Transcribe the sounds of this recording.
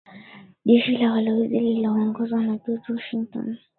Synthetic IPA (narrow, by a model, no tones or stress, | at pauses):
ʄɛʃilawalɔwizililɔɔŋɡɔzwanaɗɔtuwɔʃiŋtɔ̰n